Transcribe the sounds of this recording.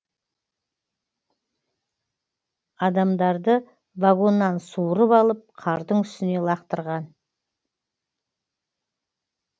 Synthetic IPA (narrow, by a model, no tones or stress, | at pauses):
ɑd̪ɑmd̪ɑɾd̪ə | vaɡo̞nːɑnsuwɾəpɑlˠəp̚qʰɑɾd̪əɴʏst̪ɪne̞lˠɑqt̪əɾʁɑn